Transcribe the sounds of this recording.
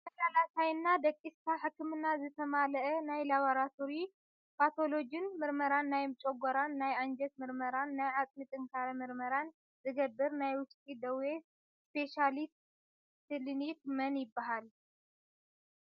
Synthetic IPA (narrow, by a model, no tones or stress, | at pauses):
ɐlalasʰajnːad̪ɐkʼːist̪ʰaħɨkːɨmɨnazɨt̪ʰɐmalɐʔɐnajlaβoɾat̪ʰo̞ɾi | pʰat̪ʰo̞lo̞d͡ʒɨnmɨɾmɐɾanːajmt͡ʃʼoɡɔɾanːajand͡ʒɛt̪mɨɾmɐɾanːajʕat͡s̪ʼmit̪ʼɨŋkʰaɾɐmɨɾmɐɾan | zɨɡɐbːɨɾnajwʊt͡ʃʼt̪ʼid̪ɐwe | spʰe̞ʃalist̪ | sɨlinikmɐnjɪbːaɦal